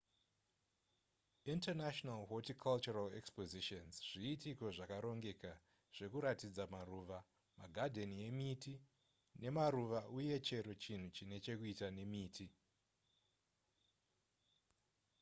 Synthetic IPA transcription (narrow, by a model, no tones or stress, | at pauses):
intenaʃnalɦotikʰalt͡ʃuralekspoziʃonzʐ̥iːtiko̞ʐakaɾo̞ŋɡe̞ka | ʐ̥e̞kuɾatid͡zamaruʋa | maɡʱadʱe̞nije̞miti | ne̞maɾuʋaʔuje̞t͡ʃe̞ɾo̞t͡ʃin̤ut͡ʃine̞t͡ʃe̞kuitane̞miːtʰi